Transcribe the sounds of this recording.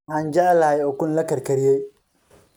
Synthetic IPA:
ʔaːnd͡ʒaʕlɐhɛjɔːkʊnlɐkɐrkɐɾijɛj

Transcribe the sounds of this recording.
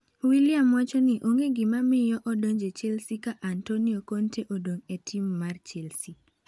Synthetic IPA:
wiliamwat͡ʃɔnɪʔoŋeɡɪmamɪjɔʔɔdoɲd͡ʒet͡ʃelsikaʔantoniɔkontʰeʔodoŋetʰimːart͡ʃelsi

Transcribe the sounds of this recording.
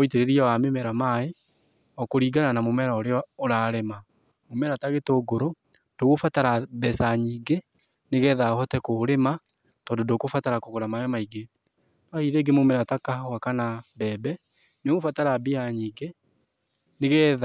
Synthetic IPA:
oiteɾeɾiawamemɛɾamae | ɔkoɾiɡananamomɛɾaoɾeɔːɾaːɾema | momɛɾataɣetoːɡoɾo | d̥oɣofataɾabɛsaɲiːɡe | neɣɛːðahɔtɛkoɾema | tɔːndondokofataɾakoɣoɾamajɔmaiɡe | nahiɾeɡemomɛɾatakawakanabɛːbɛ | neɣofataɾabiaɲiːɡe | neɣɛːða

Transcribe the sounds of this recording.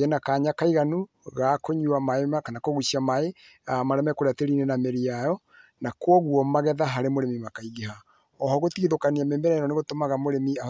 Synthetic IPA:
ɛnakaːɲakaiɣanu | ɣakoɲuamaemakanakoɣusiamae | amaɾɛmɛkoɾeateɾinɛnameɾiajɔ | nakwɔɣwɔmaɣɛðaɦaɾemoɾemimakaiɣeɦa | ɔɦɔɣotiɣiðokaniameːmbɛɾɛaɾɔneɣotomaɣamoɾemia

